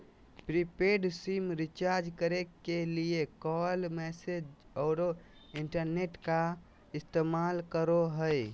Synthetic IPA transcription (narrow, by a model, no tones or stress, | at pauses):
pɾipeɖsimɾit͡ʃaɾd͡ʒkəɾekːeliekɔlmɛsed͡ʒ | ɔːɾo | iɳʈəɾneʈka | ist̪emalkəɾoɦəj